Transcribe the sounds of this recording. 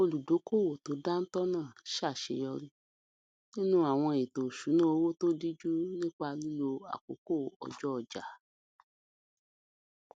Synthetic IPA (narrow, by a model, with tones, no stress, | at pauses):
o˧lu˨do˨˦ko˦˨wo˨to˨˦da˦n̩˦tɔ˦nãː˦˨ʃa˦˨ʃḛ˧˦jɔ˧ɾi˧ | nĩ˦nũ˦a˨w̃ɔ̃˧e˨to˨ʃu˨˦nã˦o˧wo˦to˦di˦d͡ʒu˦nĩ˦k͡pa˧lu˦lo˧a̰˨ko̰˨˦ko˦˨ɔ̰˨d͡ʒɔ˦ɔ˨d͡ʒa̰˨